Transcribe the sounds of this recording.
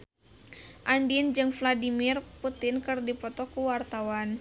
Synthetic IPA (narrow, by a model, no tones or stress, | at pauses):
ʔandind͡ʒɨŋfladimirput̪ɪnkɨrdipɔt̪ɔkuwart̪awan